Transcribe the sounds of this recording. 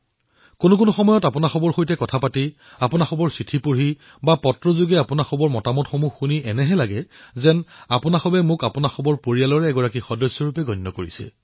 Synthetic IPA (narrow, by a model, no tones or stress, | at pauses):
konʊk̬ʊnuxɔmɔjɔtapʊnaxɔbɔɹxojtɛkɔtʰapati | apʊnaxɔbɔɹsɹitʰipuɹi | bapɔtɹɔzuɡɛapʊnaxɔbɔɹmɔtamɔtxomuxxuniʔɛnɛɦɛlaɡɛzɛnapʊnaxɔbɛmʊkapʊnaxɔbɔɹpoɹijalɔɹɛːɡɔɹakixɔdɔsːɔɹupɛɡɔjnːɔkoɹḭsɛ̰